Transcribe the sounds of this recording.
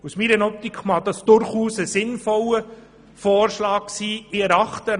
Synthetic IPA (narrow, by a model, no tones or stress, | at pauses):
usmiːɾənɔp̚t̪ikʰmɑd̥ɑsd̥ʊɾχuːsəsɪnfɔlə | foːrʃlɑːk̚siːɪɛɾɑχtə